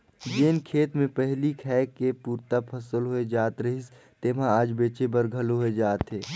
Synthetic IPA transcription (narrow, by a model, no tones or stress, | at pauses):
d͡ʒeːnkʰeːt̪mẽpəɦlikʰɛkepuːɾt̪apʰəsəlɦoed͡ʒaːt̪ɾəɦis | t̪eːmãaːd͡ʒbeːt͡ʃebəɾɡʱəlɦoed͡ʒaːt̪ɦeː